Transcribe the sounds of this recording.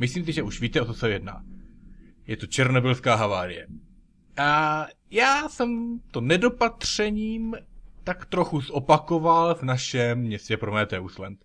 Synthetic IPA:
mɪsliːms̬ɪʒɛʔuʃviːt̪ɛʔot̪osɛvjɛdna̰ː | jɛt̪o̞t͡ʃɛɾnobɪlskaːɦavaːɾɪjɛ̰ | ʔajaːsɛmt̪o̞nɛdo̞pat̪r̝̥ɛɲiːmt̪akt̪ɾo̞xuzʔo̞pako̞valvnaʃɛmːɲɛscɛpɾomɛːt̪ɛːuslɛnt̪

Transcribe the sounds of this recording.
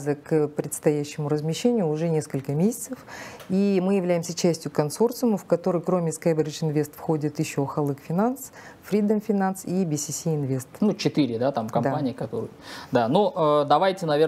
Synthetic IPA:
zəkpɾʲɪt̪st̪ɐjæɕːɪmʊɾəzmʲɪɕːenʲɪjʊːʐɛnʲe̞skəlʲkəmʲesʲɪ̥t̪səfimɨjɪvlʲæjɪmsʲət͡ɕæsʲtʲjʊkɐnso̞rt̪sʊməfkɐt̪o̞ɾɨjkɾo̞mʲɪskajbʲɾʲɪt͡ʃɪnvʲe̞st̪fxo̞dʲɪt̪jɪɕːoxɐlˠɨkfʲɪnans | fɾʲid̪əmfʲɪnansibʲɪsʲisʲiɪnvʲest̪nut͡ɕɪt̪ɨɾʲɪd̪at̪amkɐmd̪apanʲɪːkɐt̪oɾɨ̰ | d̪anoʔəd̪ɐvajtʲɪnɐvʲe̞

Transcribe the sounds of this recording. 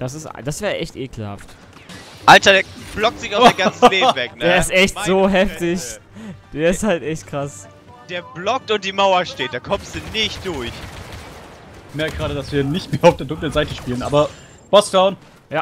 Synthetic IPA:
d̥as̬ɪsta̰d̥asv̥ɛːɐʔɛçtʔeːkl̩ha̰ft | ʔaltɐdeɐb̥lɔk̚tz̥ɪçaʊfeɡant͡sn̩veːvɛkneːɐɐɪstʔɛçtz̥oːɦɛftɪçd̥eːɐɪsthaltʔɛçtkʁ̥as | d̥eːɐblɔk̚tʊnt̚d̥iːmaʊɐʃteːt̚d̥aːkʰɔmstd̥unɪçt̚d̥ʊɐç | mɛɐk̚ɡʁaːdɾədasv̥iːɐnɪçtmeːɐaʊfd̥eːɐdʊŋklənzaɪtəʃpiːlənʔa̰ːbɐ | b̥ɔsd̥aʊn | ja

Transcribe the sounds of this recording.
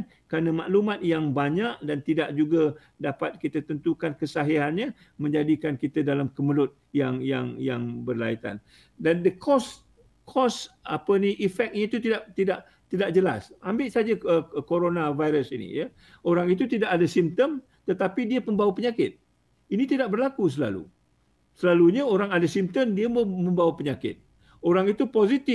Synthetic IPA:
n | kɾanəmaʔlumãt̪̚jaŋbaɲaʔ̚dant̪idaʔd͡ʒuɡa | dapat̪̚kit̪ət̪ənt̪ukankəsaɦiɾanɲə̃ | mə̃ɲd͡ʒadikankit̪ədalamkəməlʊt̪̚jaŋjaŋja̰ŋbərla̰it̪a̰n | dandəkʰɔs | kʰɔsa̰pəniʔifɛk̚ɲət̪ut̪idaʔt̪idaʔ | t̪idaʔ̚d͡ʒəla̰sambɪʔsad͡ʒaəkoɾonãvajɾəsinḭja | oɾaŋit̪ut̪idaʔadəsimt̪əm | t̪ət̪apidiəməmbawapəɲakɪt̪̚ | init̪idaʔ̚bərlakus̬əla̰lṵ | səlaluɲaoɾaŋadasimt̪əmdiəomə̃mbawapəɲakɪ̰t̪̚ | oɾaŋit̪upozit̪ɪ

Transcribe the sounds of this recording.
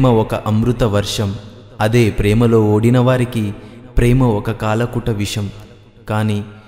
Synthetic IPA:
mɐɔkɐʔɐmɾut̪ɐʋɐɾʂɐm | ɐd̪e̞ːpɾɛːmɐlo̞ːoːɽinɐʋaːɾikipɾɛːmɐɔkɐkaːlɐkuʈɐʋiʂɐm | kaːniː

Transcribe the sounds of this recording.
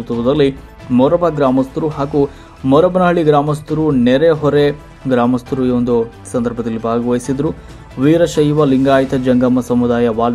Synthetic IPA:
t̪uʋɐd̪ɐlːi | mɔɾɐbɐɡɾaːmɐst̪uɾuɦaːɡu | mɔɾɐbɐnɐɦɐɭiɡɾaːmɐst̪uɾunɛɾeɦɔɾe | ɡɾaːmɐst̪uɾuond̪u | sɐnd̪ɐɾbʱɐd̪ɐlːibʱaːɡɐʋɐjisid̪ɐɾu | ʋiːɾɐʃɐjuʋɐliŋɡaːjt̪ɐd͡ʒɐŋɡɐmːɐsɐmud̪aːjɐʋaːl

